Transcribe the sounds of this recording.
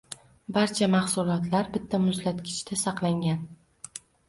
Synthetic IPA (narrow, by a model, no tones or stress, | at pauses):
baɾt͡ʃʰamɑχsʊlˠɒt̪ʰlaɾbɪt̪ʰːamʊzlat̪kʲʰɪ̥t͡ʃt̪ʰasɑqlˠaŋɡʲan